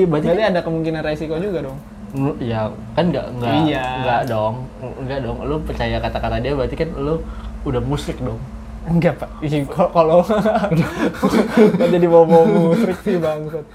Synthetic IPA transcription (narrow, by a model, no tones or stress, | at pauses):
bat̪iat̪iadakəmuŋkinanresikod͡ʒuɡadɔŋ | nija | kanɡa̰ʔŋɡaŋɡaʔdɔŋŋɡaʔdɔŋlopərt͡ʃajakat̪akat̪adiabəɾat̪ikanloudahmusɾɪk̚dɔŋ | ŋɡapaikkalo | ɡad͡ʒadimobɔmusɾɪk̚sihbaŋkʊt̪̚